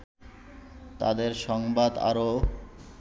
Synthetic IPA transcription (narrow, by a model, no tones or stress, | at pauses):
t̪a̰d̪eɾʃɔŋbad̪a̰ɾo